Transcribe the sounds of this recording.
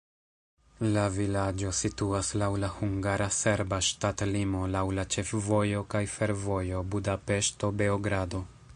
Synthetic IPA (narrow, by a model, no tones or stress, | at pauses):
lavilad͡ʒo̞situaslawlahuŋɡaɾase̞ɾbaʃtatlimo̞lawlat͡ʃe̞fvo̞jo̞kajfe̞ɾvo̞jo̞budape̞ʃto̞be̞oɡɾado̞